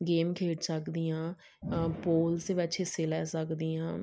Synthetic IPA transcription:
ɡeːmkʰeːʈsəkd̪ijãː | poːlseːʋɪt͡ʃeseːlɛːsəkd̪iːãː

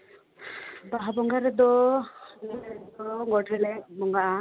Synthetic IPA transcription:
baɦabɔŋɡaɾɛd̪ɔ | niɛd̪ɔɡɔʈʰɛlɛk̚bɔŋɡaʔa

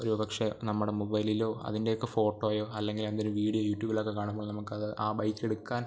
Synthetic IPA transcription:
oɾupɐkʂe̞nɐmːuɽe̞mobɐjlilo̞ːɐ̰ðindejokːefo̞ːʈːoːajo̞ːɐlːe̞ŋɡilend̪inumʋiːɽijojuːtːjuːbiloːkːekːaːɳumboːɭnɐmukːɨɐðɨʔaːbɐjkːe̞ɽukːaːn

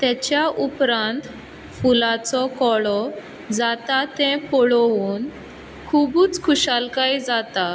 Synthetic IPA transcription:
t̪ɛt͡ɕjaʔupɾãnt̪ | fulat͡sɔkɔɭɔ | d͡zat̪at̪ɛ̃pɔɭuːn | kʰubuːt͡skʰuɕalkaid͡zat̪a

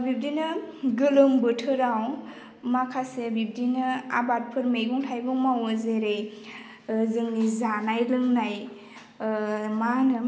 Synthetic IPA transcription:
bib̚dinɯɡɯlɯmbɯtʰɯɾaw | makʰasebib̚dinɯa̰bat̚pʰɯɾmejɡuŋtʰajbɯŋmawɯzeɾej | zɯŋnizanajlɯŋnaj | manɯ

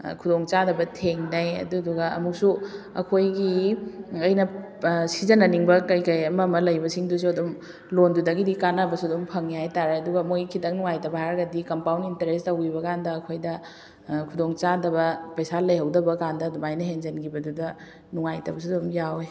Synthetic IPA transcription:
kʰudoŋt͡ʃadɐbɐtʰeŋnɐjɐ̰duduɡɐɐ̰muk̚suɐ̰kʰojɡi | ɐjnɐ | sizɐnɐniŋbɐkɐjkɐjɐmɐmɐlɐjbɐsiŋdus̬uɐdum | londudɐɡidikanɐbɐsudumpʰɐŋihajtaɾeɐduɡɐmojɡikʰitɐŋnuŋajtɐbɐhaɾɐɡɐdikɐmpawninteɾestɐwibɐkandɐːkʰojdɐ | kʰudoŋt͡ʃadɐbɐpɐjsalɐjhɐwdɐbɐkandɐdumajnɐɦenzɐnɡibɐdudɐ | nuŋajtɐbɐs̬udumjawe

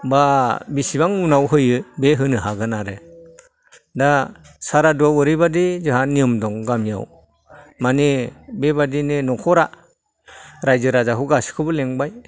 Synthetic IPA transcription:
babisibaŋnunawɦɯjɯbeɦɯnɯɦaɡɯnaɾɯ | da | saɾaduawɯɾɯbadizɯɦanːiɯmdɔŋɡamija̰w | manibebadinɯnɔkʰɔɾa | ɾajzɯɾazaɦɯɡasi̥kʰɯbɯleŋbaj

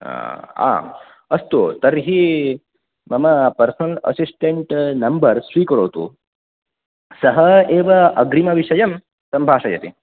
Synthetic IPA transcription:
a̰ː | ɐst̪ut̪ɐɾɦi | mɐmɐpɐɾsɐnɐlɐ̰sisʈeɳʈnɐmbɐɾsʋiːkɐɾoːt̪ṵ | sɐɦɐeːʋɐɐɡɾimɐʋiʂɐjɐm | sɐmbʱaːʂɐjɐ̰t̪i

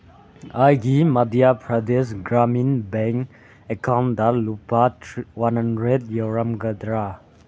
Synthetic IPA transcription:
ajɡimad̪iapʰɹad̪esɡɹamĩnbɛ̃ŋ | ɛkʰãnd̪alupatwãnhãndɹɛd̪jɔɹãmɡəd̪ɹa

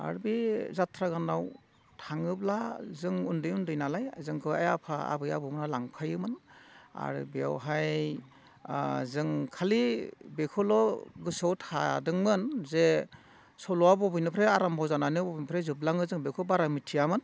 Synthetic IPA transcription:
a̰ɾbizatʰɾaɡanːaw | tʰaŋɯblazɯŋundɯjundɯjnalajzɯŋkʰɯa̰japʰaa̰bɯja̰bɯmnalaŋpʰajɯmɯna̰ɾɯ̰bija̰wɦaj | zɯŋkʰalibekʰɔlɔɡɯsawtʰa̰dɯŋmɯnze | sɔlɔwabɔbɯjnɯpʰɾeaɾambʱawzananɯbɔbɯjnpʰɾezɯb̚laŋɯzɯŋbekʰɯbaɾamitʰijamɯn

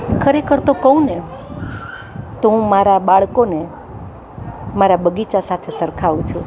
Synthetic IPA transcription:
kʰəɾekʰəɾt̪okəũne | t̪oɦũmaɾabaɭkone | maɾabəɡit͡ʃasat̪ʰesəɾkʰaʋũt͡ʃʰũ

